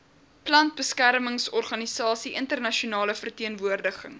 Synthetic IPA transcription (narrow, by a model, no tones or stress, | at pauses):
plɐnt̚bəskærməŋsɔrχɐnisɑːsiʔəntərnɐʃunɑːləfərtiənvuərdəχəŋ